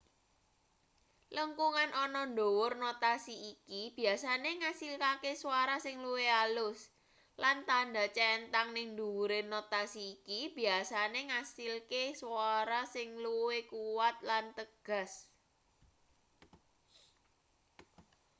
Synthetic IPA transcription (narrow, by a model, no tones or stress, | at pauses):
ləŋkuŋanʔɔnɔnɖowʊrnot̪asiikib̥i̤asaneŋasilkakesuwaɾasɪŋluwealʊs | lant̪anɖa̤t͡ʃɛnt̪aŋnɪŋnd̪uwuɾenot̪asiːkib̥i̤asaneŋasilkesuaɾasɪŋluwekuwat̪̚lant̪əɡ̥a̤s